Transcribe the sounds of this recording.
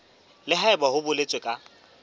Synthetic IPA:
lɪɦaɪbahʊbʊlet͡sʼwekʼa

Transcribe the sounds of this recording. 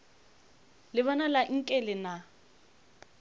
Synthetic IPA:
lɪβɔnalaŋ̩kʼɛlɪna

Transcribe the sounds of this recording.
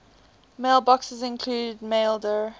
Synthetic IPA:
meɪlˠbɔksəzɪ̃nkʰl̥uːd̚meɪlˠdə

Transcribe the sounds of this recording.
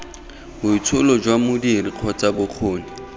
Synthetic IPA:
bʊit͡sʰʊlɔd͡ʒwamʊdiriq͡χʰɔt͡sabʊq͡χʰoːni

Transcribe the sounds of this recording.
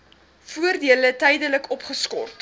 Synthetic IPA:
fuərdiələtɛjdələkɔpχəskɔ̰rt

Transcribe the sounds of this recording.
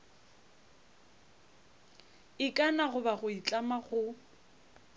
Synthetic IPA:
ɪkʼanaɣʊbaɣʊit͡ɬʼamaɣʊ

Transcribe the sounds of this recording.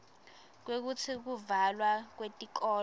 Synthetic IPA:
k̬wek̬ut͡sʰik̬uvalwak̬wetʼiǃ̬ɔː

